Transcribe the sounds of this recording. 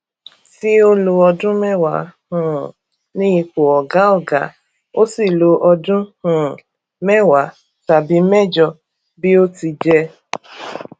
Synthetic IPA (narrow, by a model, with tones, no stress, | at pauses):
si˦o˦lo˧ɔ˧dʊ̃˦mɛ˦wa˨hũ˨ | nĩ˦i˧ko˨ɔ˨ɡã˨˦ɔ˦˨ɡa̰˨ | o˦si˦˨lo˧ʔɔ˧dũ˦hũ˨ | mɛ˦wa˨ | ta˨bi˨˦mɛ˦d͡ʒɔ˧ | bi˦o˦ti˧d͡ʒɛ˧